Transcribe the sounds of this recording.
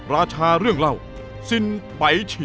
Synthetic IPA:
ɾaː˧t͡ɕʰaː˧ɾɯ˥˩əŋɾa˥˩w | si˧npa˨˩˦jt͡ɕʰi˧

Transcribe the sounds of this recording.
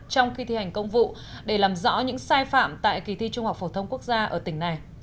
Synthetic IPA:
t͡ɕɔ˧wŋ͡mxi˧t̪ʰi˧˩ha˨˩jŋ̟kə˧wŋ͡mvṵ˧˨ | ɗe˧˩laː˨˩mzɔ̰˧˥ɲɨ̰˧˥ŋsaː˧jfa̰ː˧˨mt̪a̰ː˧˨jki˨˩t̪ʰi˧t͡ɕʊ˧ŋ͡mha˨˩w̚k͡p̚fo˧˩t̪ʰə˧wŋ͡mku˦˥ək̚zaː˧ʔəː˧˩t̪ï˧˩ŋ̟na˨˩j

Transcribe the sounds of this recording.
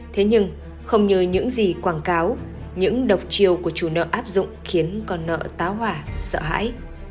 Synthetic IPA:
t̪ʰe˨˦ɲɨ˧ŋ | xə˧wŋ͡mɲɨ˧ɲɨ̰˧˥ŋzi˨˩kwaː˧˩nkaː˨˦w | ɲɨ̰˧˥ŋɗə˨˩wk͡p̚t͡ɕi˧˩əwku˧˩ət͡ɕu˧˩nə̰ː˧˨ʔaː˦˥p̚zʊ̰˧˨ŋ͡mxi˨˦ənkɔ˧nːə̰ː˧˨t̪aː˨˦wɦwaː˧˩sə̰ː˧˨ɦa̰ː˧˥j

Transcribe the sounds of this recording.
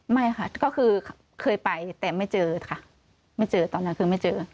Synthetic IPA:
ma˥˩jkʰa˥˩kɔː˥˩kʰɯː˧ | kʰɤː˧jpa˨˩jt̪ɛː˨˩ma˥˩jt͡ɕɤː˧kʰa˥˩ | ma˥˩jt͡ɕɤː˧t̪ɔː˧nːa˦˥˨kʰɯː˧ma˥˩jt͡ɕɤː˧

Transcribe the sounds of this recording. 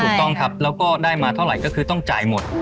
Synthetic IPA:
u˨˩k̚t̪ɔ˥˩ŋt̪ʰa˦˥p̚lɛː˦˥wkɔː˥˩daː˥˩jmaː˧t̪ʰa˥˩wɾa˨˩jkɔː˥˩kʰɯː˧t̪ɔ˥˩ŋt͡ɕa̰ː˨˩jmo˨˩t̪̚

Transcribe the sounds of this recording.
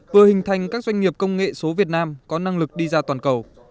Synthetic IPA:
vɨ˨˩əhï˨˩ŋ̟t̪ʰa˨˩jŋ̟kaː˦˥k̚zwa˧jŋ̟ŋi˨˩əp̚kə˧wŋ͡mŋḛ˧˨so˨˦vi˨˩ət̚naː˧mkɔ˨˦na˧ŋlɨ˨˩k̚ɗi˧zaː˧t̪waː˨˩nkə˨˩w

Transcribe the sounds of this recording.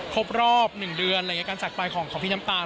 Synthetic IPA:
kʰo˦˥p̚ɾɔː˥˩p̚nɯ˨˩ŋdɯ˧ənlːi˦˥kaː˧nst͡ɕa˨˩k̚paː˧jkʰɔː˩˦ŋʰɔː˨˩˦pʰiː˥˩na˦˥mt̪aː˧

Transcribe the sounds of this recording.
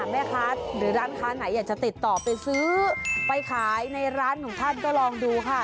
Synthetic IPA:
mɛː˥˩kʰaː˦˥t̪̚ɾɯː˩˦ɾaː˦˥nkʰaː˦˥na˩˦jaː˨˩k̚t͡ɕa˨˩t̪i˨˩t̪ːɔː˨˩pːa˧jsɯː˦˥pa˧jkʰaː˩˦jna˧jɾaː˦˥nkʰɔː˩˦ŋt̪ʰa˥˩nkɔː˥˩lɔː˧ŋduː˧kʰa˥˩

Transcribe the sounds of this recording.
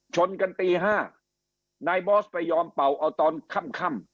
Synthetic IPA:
t͡ɕʰo˧nka˧nt̪iː˧ɦaː˥˩ | naː˧jbɔː˦˥˩spa˧jːɔː˧mpa˨˩wʔa˧wt̪ɔː˧nkʰa˥˩mkʰa˥˩m

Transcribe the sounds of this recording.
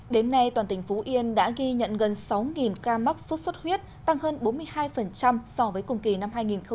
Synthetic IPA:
ɗe˨˦nːa˧jt̪waː˨˩nt̪ï˨˩ŋ̟fu˨˦ʔi˧ənɗa̰ː˧˥ɣi˧ɲə̰˧˨nɣə˨˩nsa˨˦wŋi˨˩nkaː˧ma˦˥k̚su˦˥t̚swə˦˥t̚hwi˦˥ət̚ | t̪a˧ŋhəː˧nɓo˨˦nmɨ˧əjhaː˧jfə˨˩nt͡ɕa˧msɔ˧vəː˨˦jkʊ˨˩ŋ͡mki˨˩na˧mhaː˧jŋi˨˩nxə˧

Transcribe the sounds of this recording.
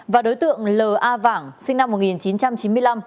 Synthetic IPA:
vaː˨˩ɗo˨˦jt̪ɨ̰˧˨əŋləː˨˩ʔaː˧vaː˧˩ŋsï˧ŋna˧mːo˨˩t̚ŋi˨˩nt͡ɕi˨˦nt͡ɕa˧mt͡ɕi˨˦nmɨ˧əjla˧m

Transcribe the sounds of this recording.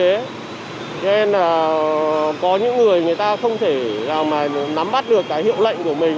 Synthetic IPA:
e˨˦ | t͡ɕɔ˧ne˧nlaː˨˩ | kɔ˨˦ɲɨ̰˧˥ŋːɨ˨˩əjŋɨ˨˩əjt̪aː˧xə˧wŋ͡mt̪ʰe˧˩zaː˨˩wmaː˨˩na˨˦mɓa˦˥t̚ɗɨ˨˩əkːaː˨˦jhḭ˧˨əwlə̰˧˨jŋ̟ku˧˩əmï˨˩ŋ

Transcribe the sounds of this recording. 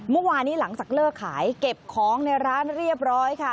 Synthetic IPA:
mɯ˥˩waː˧nːiː˦˥la˩˦ŋt͡ɕaː˨˩k̚lɤː˥˩kʰaː˩˦jke˨˩p̚kʰɔː˦ŋna˧jɾaː˦˥nɾi˥˩əp̚ɾɔː˦˥jkʰa˥˩

